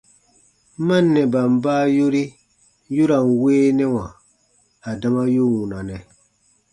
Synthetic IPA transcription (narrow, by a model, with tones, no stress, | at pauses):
mã˦nːɛ˨ba˨m̩˨baː˦jo˦ɾi˦ | ju˦ɾa˨n˨weː˦nɛ˦wã˨ | a˨da˦ma˦ju˦wũ˨na˨nɛ˨